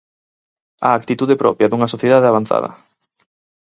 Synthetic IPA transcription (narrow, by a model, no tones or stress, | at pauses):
a̰ːk̚t̪it̪uðepɾɔ̰pjɐðuŋɐsoθjeðaðeaβ̞an̟θa̰ð̞ɐ̰